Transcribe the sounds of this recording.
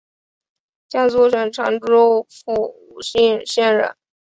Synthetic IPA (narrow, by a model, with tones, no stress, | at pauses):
t͡ɕja˥t͡su˥˧ʂə˨˩ŋʈ͡ʂʰɑ̰˧˥ŋʈ͡ʂo˥fu˥˩u˨˩ɕi˥˩nɕjɛ˥˧nɻə̰˧˩˦n